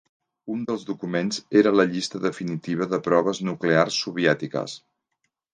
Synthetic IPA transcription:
und̪əlˠzðukumenzeɾələʎist̪əðəfinit̪iβ̞əðəpɾɔβ̞əznuklearsːuβiɛt̪ikə̰s

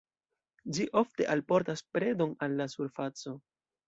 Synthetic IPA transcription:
d͡ʒiʔo̞fte̞ʔalpo̞ɾtaspɾe̞do̞nalːasuɾfat͡so̞

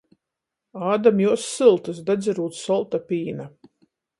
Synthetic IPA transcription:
aːd̪amjuɔsːɨlˠt̪ɨs̬d̪ad̪ziɾuːt̪sɔlˠt̪apʲiːna

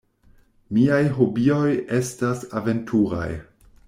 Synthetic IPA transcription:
miajɦo̞bio̞je̞stasave̞ntʰuɾa̰j

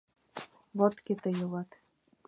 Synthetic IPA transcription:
βot̪ket̪ɤ̆jɤ̆lɑt̪

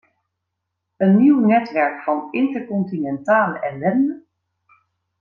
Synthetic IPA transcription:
ənːiwnɛtʋɛɹkfɑnɪntəɹkɔntinɛntaːləʔɛlɛndə

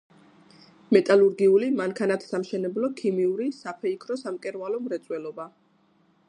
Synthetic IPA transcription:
mɛt̪ʼaluɾɡiulimaŋkʰanat̪ʰsamʃɛnɛblɔkʰimiuɾisapʰɛikʰɾɔsamkʼɛɾvalɔmɾɛt̪sʼwɛlɔba

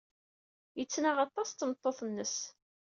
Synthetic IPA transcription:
jət͡sːnaʁɑt̪ˤːɑst̪ːmət̪ˤːoθnːəs

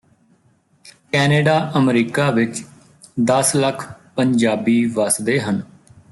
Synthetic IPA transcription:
kɛːneːɖaːʔəmɾiːkaːʋɪt͡ʃ | d̪əsləkʰpəɲd͡ʒaːbiːʋəsd̪eːɦən

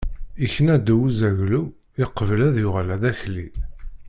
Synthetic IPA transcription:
içənæd̪uwuzæʝlu | iqːəvəlæðjʊʁalæðæçli

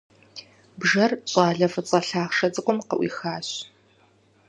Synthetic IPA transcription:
bʒɐrɕʼaːɮɐfɨt͡sʼɐɬaːχʂɐd͡zɨkʷʼɔmqɐ̰ʔḭːxaːɕ

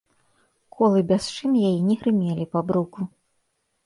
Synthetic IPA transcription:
kʰɔlˠɨbʲast͡ʂɨnjajinʲɛɣɾɨmʲelʲipabɾuku

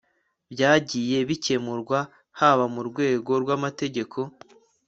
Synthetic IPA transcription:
bjaːɟije̞βice̞muɾɡwa | haβamuɾɡwe̞ːɡo̞ɾɡwamate̞ɟe̞kʰo̞

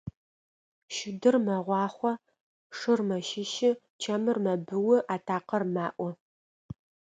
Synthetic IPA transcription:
ʃɪdɨrmɐʁʷɑːχʷɔ | ʂɨrmɐʃɪʃɪ | t͡ʃʰɐmɨrmɐbɨwʊʔaːtʰaːqɐrmaːʔʷɔ

